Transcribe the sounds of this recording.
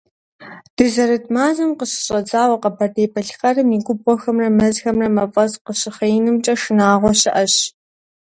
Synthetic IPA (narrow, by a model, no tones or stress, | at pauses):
d̥ɨzɐɾɨtmaːzɐmqəɕɪ̥ɕʼɐd͡zaːwɐqɐbʰɐdeːbʰɐɬχɐrɨmiɡʷʊbɔxɐmrɐmɐzxɐmrɐmɐpʼɐsqəɕɪχɐjnɨmt͡ʃʼɐʂɨnaːʁʷɔɕɪʔɐɕ